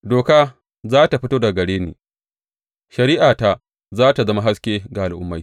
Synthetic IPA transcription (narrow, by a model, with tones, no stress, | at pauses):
doː˨kaː˦ | zaː˦ta˨ɸɪ˦toː˦da˨ɡɐ˨ɽeː˦nḛː˨ | ʃɐ˨ɾi˦ʔaː˨ta˦ | zaː˦ta˨zɐ˦ma˦ɦa˦skʲeː˦ɡa˨ʔa˨lʔʊ̰˦mːa˦